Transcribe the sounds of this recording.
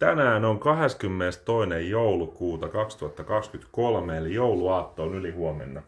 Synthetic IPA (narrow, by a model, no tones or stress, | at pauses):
t̪ænæːnoŋkɑɦe̞skymːenest̪t̪oinejjoulukuːt̪ɑkɑkst̪uɑt̪ːɑkɑkskyt̪kolmeːljouluɑːt̪ːo̞ːnylihuomḛnːɑ